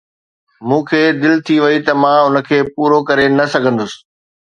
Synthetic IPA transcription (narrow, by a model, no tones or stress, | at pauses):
mũːkʰeːd̪ɪlt̪ʰiʋɐit̪ɐmãːʊnə̆kʰeːpuːɾokɐɾenɐsɐɡʱə̃nd̪ʊsɪ̥̆